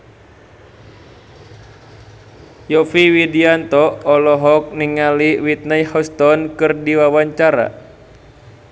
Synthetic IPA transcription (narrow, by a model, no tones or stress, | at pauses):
jɔfiwidiant̪ɔɔlɔɦɔk̚niŋaliwit̪̚najhɔst̪ɔnkɨrdiwawaɲt͡ʃaɾa̰